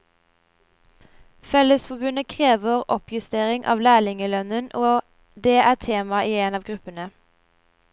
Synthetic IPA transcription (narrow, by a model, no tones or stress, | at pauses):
fɛləsfɔbʉnəkʰʁeːʋəʁʔɔpʰjʉst̪eːʁɪŋʔɑ̰ːʋlæːlɪŋəlœnənʔoː | d̪eːʔæːt̪ʰeːmɑʔiːeːnɑːʋɡʁʉpənə